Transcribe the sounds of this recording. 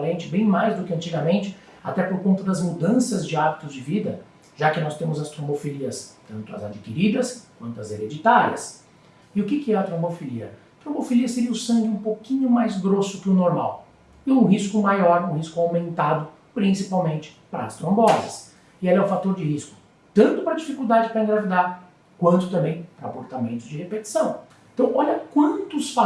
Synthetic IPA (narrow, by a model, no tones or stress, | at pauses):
lẽnt͡ʃɪbẽj̃majzd̪ʊkɪɐ̃nt͡ʃiɡɐmẽnt͡ʃɪ̥ | a̰t̪ɛpoɾkõnt̪ɐd̪ɐzmud̪ɐ̃sɐzd͡ʒɪabit̪ʊzd͡ʒɪvid̪ɐ | ʒ̥akɪnɔst̪ẽmʊzɐst̪ɾõmbofeliɐst̪ɐ̃nt̪ʊɐ̰za̰d͡ʒikiɾid̪ɐskwɐ̃nt̪ʊɐzeɾed͡ʒit̪aɾiɐs | ɪʊkɪkɪɛɐt̪ɾõbofiliɐ̰ | t̪ɾõbofeliɐseɾiɐʊsɐ̃ŋɡɪũpokĩɲʊmajzɡɾosʊkɪʊnoɾma̰w | ɪʊ̃ɦiskʊmajɔɾũhiskʊawmẽnt̪ad̪ʊ | pɾĩsipawmẽnt͡ʃɪ̥pɾɐːst̪ɾõbɔzɐ̰s | ɪelɛʊ̃fat̪oɾd͡ʒɪhiskʊ̥ | t̪ɐ̃nt̪ʊpɾɐd͡ʒifikuwd̪ad͡ʒɪpɾɐĩɡɾavid̪aɾ | kwɐ̃nt̪ʊ̥t̪ɐ̃mbẽj̃pɾɐapoɾt̪amẽnt̪ʊzd͡ʒɪhepet͡ʃi̥sɐ̃w̃ẽt̪ɐ̃w̃ʔɔʎɐkwɐ̃t̪ʊsfa